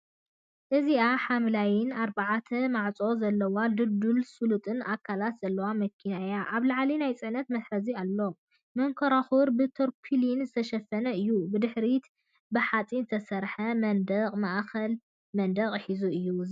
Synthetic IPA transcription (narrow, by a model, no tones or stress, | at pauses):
ʔɨziʔaħamlajɪnaɾbaʕat̪ʰɐmaʕt͡sʼo̞zɐlːɐwalɨd̪ulsulut̪ʼɨnʔakʰːalat̪z̥ɐlːɐwamɐkʰːinajaʔaβlaʕlinajt͡sʼɨʕnɐt̪mɐsɾɐzialːo̞ | mɐŋkʰɐɾaxuɾbɨt̪ʰoɾpʰilinzɨt̪ʰɐʃɐfːɐnɐɨjːubɨd̪ɨħɾit̪ | bɨħat͡sʼinzɨt̪ʰɐsɐɾħɐmɐnd̪ɐqʼmaʔxɐl | mɐnd̪ɐqʼħizuɨjːu